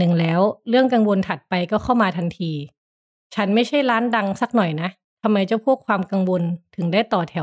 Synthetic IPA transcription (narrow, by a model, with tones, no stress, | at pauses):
nɯ˨˩ŋlɛː˦˥wɾɯ˥˩əŋka˧ŋwo˧nt̪ʰa˨˩t̪̚pa˧jkɔː˥˩kʰa˥˩wmaː˧t̪ʰa˧nt̪ʰiː˧ | t͡ɕʰa˦˥nma˥˩jt͡ɕʰa˥˩jɾaː˦˥nda˧ŋsa˨˩k̚nɔ˨˩jna˦˥ʔ | t̪ʰa˧mːa˧jt͡ɕa˨˩pʰu˥˩əkʰwaː˧mka˧ŋwo˧nt̪ʰɯ˨˩˦ŋdaː˥˩jt̪ɔː˨˩t̪ʰɛ˨˩˦